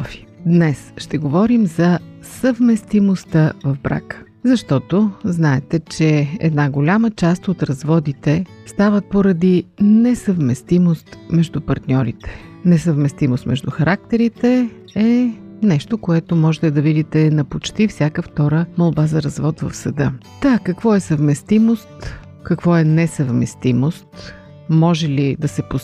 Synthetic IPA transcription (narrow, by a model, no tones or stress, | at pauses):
fi̥d̪nɛsʃt̪ɛɡovɔɾimzɐ | səvmɛst̪imost̪əvɐvbɾa̰kə̥ | zɐʃt̪ɔt̪oznaɛt̪ɛt͡ʃɛɛ̰d̪naɡolʲamət͡ʃast̪ot̪ɾɐzvɔd̪it̪ɛ | st̪avət̪̚poɾɐd̪inɛsəvmɛst̪imost̪mɛʒd̪upɐɾt̪nʲɔɾit̪ɛ̥nɛsəvmɛst̪imost̪mɛʒd̪uxɐɾʔak̚t̪ɛɾit̪ɛ | ɛ | nɛʃt̪okoɛt̪omɔʒɛt̪ɛd̪ɐvid̪it̪ɛnɐpot͡ʃt̪ifsʲakəft̪ɔɾəmɐlˠbazɐɾɐzvɔt̪vɐ̰fsɐd̪ɤt̪akɐkvɔɛsəvmɛst̪imost̪ | kɐkvɔɛnɛsəvmɛ̰st̪imost̪ | mɔʒɛlid̪ɐsɛpo